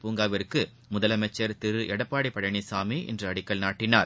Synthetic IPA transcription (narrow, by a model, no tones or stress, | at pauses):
puːŋɡaːʋɐɾɯkːɯ | mʊðɐlɐmɐt͡ʃːɐɾt̪ɪɾɯʔɛɽɐpːaːɽipːɐɽɐɳisaːmiʔɛ̰ndrɯɐɽɪkːɐɭnaːʈːɪnaːɾ